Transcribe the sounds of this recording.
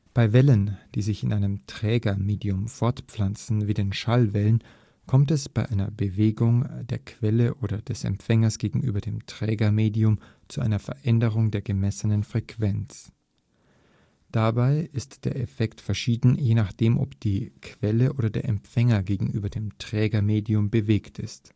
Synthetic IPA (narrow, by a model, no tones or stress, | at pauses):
b̥aɪvɛlənd̥iːzɪçɪnʔaɪnəmtʁ̥ɛːɡɐmeːdiʊmfɔɐtpp͡flant͡sn̩viːdeːnʃalvɛlən | kʰɔmtɛsb̥aɪʔaɪnɐbəveːɡʊŋdeːɐkʰv̥ɛləʔoːɾɐdɛsɛ̰mfɛŋɐsɡ̥eːɡŋ̩ʔy̰ːbɐdeːmtʁ̥ɛːɡɐmeːdiʊm | t͡suʔa̰ɪnɐfɛɐʔɛndəʁʊŋdeːɐɡəmɛsənənfʁ̥ɛkʰv̥ɛnt͡s | d̥abaɪʔɪstd̥eːɐɛfɛktfɛɐʃiːdn̩jeːnaχd̥eːmʔɔ̰pd̥iːkʰv̥ɛləʔoːɾɐdeːɐʔɛmfɛŋɐɡeːɡŋ̩ʔy̰ːbɐdeːmtʁ̥ɛːɡɐmeːdiʊmbəveːktɪ̰st